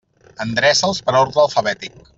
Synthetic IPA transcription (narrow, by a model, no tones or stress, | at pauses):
ənd̪ɾɛzəlˠspəɾoɾðəlˠfəβɛt̪ik̚